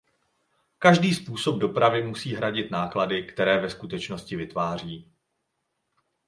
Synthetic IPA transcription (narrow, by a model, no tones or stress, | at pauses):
kaʒdiːspuːso̞b̚do̞pɾavɪmusiːɦɾaɟɪt̪naːkladɪkt̪ɛɾɛːvɛskut̪ɛt͡ʃno̞scɪvɪt̪vaːr̝iː